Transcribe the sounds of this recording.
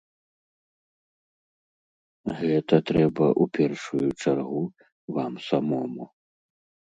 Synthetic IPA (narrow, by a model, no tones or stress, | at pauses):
ɣɛt̪ɐt̪ɾɛbɐʔupʲɛrʂujut͡ʂarɣu | vamsamɔmu